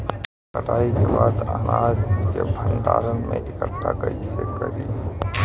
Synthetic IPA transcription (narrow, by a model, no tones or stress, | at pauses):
kəʈaːikebaːd̪əɦnaːd͡ʒkebʱəɳɖa̰ːɾənmẽʔɪkət̪ʰːakəisekəɾi